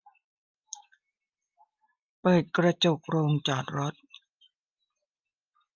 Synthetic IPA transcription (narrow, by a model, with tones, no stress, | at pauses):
pɤː˨˩t̪̚kɾa˧t͡ɕo˨˩p̚ɾoː˧ŋt͡ɕaː˨˩k̚ɾo˦˥t̪̚